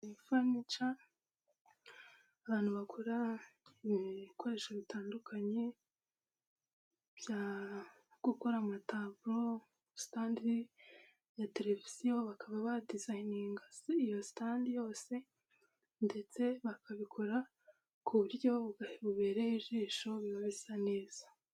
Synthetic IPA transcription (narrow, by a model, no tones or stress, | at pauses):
ifamit͡ʃa | βaːn̥huβakʰoɾaimikʰo̞ɾe̞ʃeβitaːndukʰaɲe̞ | bja | ɡ̥ukoɾamataːvuɾo̞ | si̥taːndi | jate̞ɾe̞viz̥ijoβakaβaβadizajiniŋɡaijo̞si̥taːndijo̞ːse̞ | nde̞t͡se̞βakaβikʰoɾa | kʰuβuɾɟo̞βuɡaheβuβe̞ːɾeiʒiːʃo̞βiβaβisane̞ːz̥ḁ